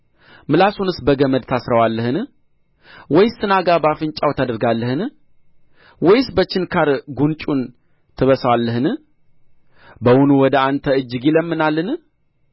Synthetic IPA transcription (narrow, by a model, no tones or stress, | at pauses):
mɨlasunɨsbəɡəməd̪t̪ʰasɾəwalːəhɨn | wɔjsːɨnaɡabafɨnt͡ʃʼawt̪ʰad̪əɾɡalːəhɨn | wɔjɪsbət͡ʃːɪnkʰaɾɡunt͡ʃʼun | t̪ʰɨβəsəwalːəhɨn | bəwunuwɔd̪əant̪ʰəɨd͡ʒːɨɡiləmːɨnalːɨn